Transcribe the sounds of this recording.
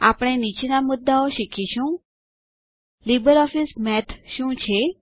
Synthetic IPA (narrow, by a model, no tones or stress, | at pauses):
a̰pɽ̃ẽnit͡ɕnamud̪ːaoɕikʰiɕũː | libəɾɔfismɛt̪ʰɕũːt͡ɕʰe